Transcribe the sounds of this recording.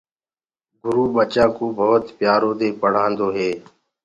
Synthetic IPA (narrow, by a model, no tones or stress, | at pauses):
ɡʊɾuːɓət͡ʃãːkoːbʱoːt̪pjaːɾoːd̪eːpəɽ̤ãːnd̪oːɦeː